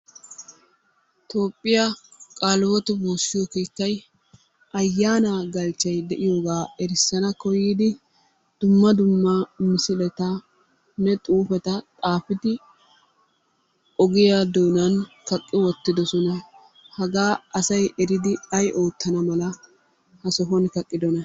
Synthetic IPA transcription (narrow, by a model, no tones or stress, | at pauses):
t̪o̞ːpʼːɪjakʼaːlwɔt̪ʊboːsːɪjɔkiːkːɐj | ʔɐjːaːnaːɡɐlt͡ʃːɐjd̪ɛʔɪjo̞ːɡaːɛɾɪsːɐnɐkɔjiːd̪ɪ | d̪̥ʊmːɐd̪ʊmːɐmɪsɪlɛt̪ɐ | nɛt̪ʼuːfɛt̪ɐt̪ʼaːfɪd̪ɪ | ɔɡɪjad̪oːnɐnkɐkʼːɪwɔt̪ːɪd̪ɔsɔnɐ | hɐɡaːʔɐsɐjɛɾɪd̪ɪɐjʔo̞ːt̪ʰːɐnɐmɐlɐ | hɐsɔɦɔnkɐkʼːɪd̪ɔnɐ